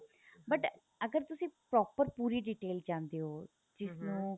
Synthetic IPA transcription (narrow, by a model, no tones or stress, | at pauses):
bəʈ | əɡəɾt̪ʊsĩːpɾɔːpəɾpuːɾiːɖiʈeːld͡ʒãːnd̪eːɦoː | d͡ʒɪsnũː